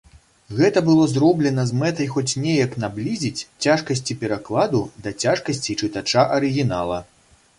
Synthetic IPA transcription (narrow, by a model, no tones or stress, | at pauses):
ɣɛt̪ɐbɨlˠɔzɾɔblʲɛnɐzmɛt̪ɐjxɔt͡sʲnʲɛjɐknablʲizʲit͡sʲt͡sʲaʂkɐsʲt͡sʲipʲɛɾaklˠad̪ud̪ɐt͡sʲaʂkɐsʲt͡sʲit͡ʂɨt̪at͡ʂaʔɐɾɨɣʲinalˠɐ